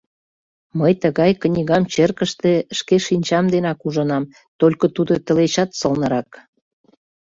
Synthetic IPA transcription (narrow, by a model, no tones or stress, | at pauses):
məjt̪əɣɑjknʲiɣɑmt͡ɕerkəʃt̪eʃkeʃinʲt͡ɕɑmd̪enɑkuʒə̆nɑm | t̪olʲkot̪ud̪ot̪ə̆let͡ɕɑt̪sɤəlnə̆ɾɑk